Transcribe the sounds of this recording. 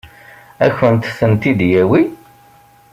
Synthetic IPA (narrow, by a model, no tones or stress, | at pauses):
æçənt̪sənt̪id̪jæwi